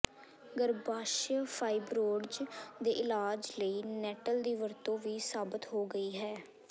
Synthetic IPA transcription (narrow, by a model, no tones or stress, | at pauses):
ɡəɾbaːʃəpʰaːibɾoːɽd͡ʒd̪eːʔɪlaːd͡ʒləiːnɛːʈəld̪iːʋəɾt̪õːʋiːsaːbət̪ɦoːɡəiːɦɛː